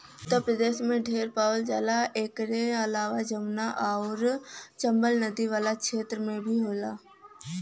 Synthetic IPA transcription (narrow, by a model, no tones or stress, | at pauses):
t̪opɾəd̪eːʃmẽɖʱeːɾpaːʋəld͡ʒa̰ːlaʔeːkɾeəlaːʋad͡ʒəmnaʔaɔːɾt͡ʃəmbəlnəd̪iʋaːlakʃeːt̪ɾəmẽbʱiɦoːlaː